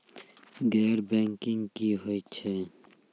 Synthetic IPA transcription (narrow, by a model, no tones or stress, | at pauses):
ɡɛːɾbɛ̃ːŋkɪŋɡkiɦoːit͡ʃʰeː